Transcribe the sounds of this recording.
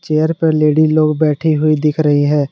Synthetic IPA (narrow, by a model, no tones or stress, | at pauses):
t͡ʃeːəɾpəɾleːɖiloːɡbɛːʈʰiɦʊid̪ɪkʰɾəɦiɦɛ̃ː